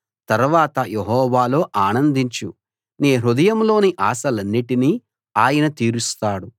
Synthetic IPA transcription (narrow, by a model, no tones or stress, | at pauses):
t̪ɐɾʋaːt̪ɐjeɦɔːʋaːlo̞ːʔaːnɐnd̪iɲt͡ʃu | neːɾud̪ɐjɐmlo̞ːniʔaːsɐlɐnːiʈiniː | aːjɐnɐt̪iːɾust̪aːɽu